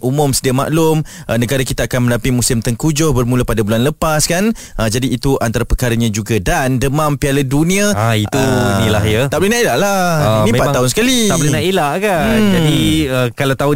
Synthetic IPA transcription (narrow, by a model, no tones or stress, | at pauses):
ʔumʊmsədiama̰ʔlʊmʔənəɡaɾakit̪aːkanmə̃lapimũsɪmt̪əŋkud͡ʒʊhbərmuləpadabulanləpaskan | ʔəd͡ʒadiːt̪uʔant̪aɾapəkaɾaɲãd͡ʒuɡadandəmãmpialədunĩait̪unilahjat̪aʔblənãʔilaʔlainĩpaaɦʊnsə̥kalialunaʔilaʔkand͡ʒadiəkalat̪au